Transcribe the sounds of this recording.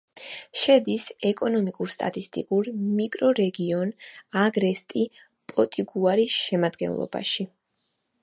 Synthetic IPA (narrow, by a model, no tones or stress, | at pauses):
ʃɛd̪isɛkʼɔnɔmikʼuɾst̪ʼa̰t̪ʼist̪ʼḭkʼuɾmikʼɾɔɾɛɡiɔnaɡɾɛst̪ʼi | pʼɔt̪ʼiɡuaɾisʃɛmad̪ɡɛ̰nlˠɔ̰ba̰ʃi